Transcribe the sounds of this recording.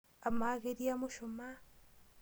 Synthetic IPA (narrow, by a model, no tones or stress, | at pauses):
amaɣeɾiamuʃoma